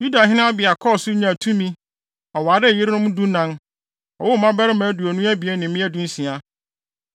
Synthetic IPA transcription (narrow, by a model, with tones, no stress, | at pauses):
ju˦da˨ɦɪ̃˦nã˦a˦bɪ˨a˨kʰɔ˦˨sʊ˦ɲã˨tʰũ˦mĩ˦ | ɔ˨waː˨˦dɪ˦˨jɪ˦ɾɪ˦nʊ̃˦m˦dũ˦nã˦n | ɔ˨wʊ˦˨mã˦bɛ˦ɾɪ˦mɛ̃˨˦du˨ɔ˨nũ˦æ˦bi˨e˦nɪ̃˨˦mɪ̃˦æ˦dũ˦n̩˦sĩ˨a˨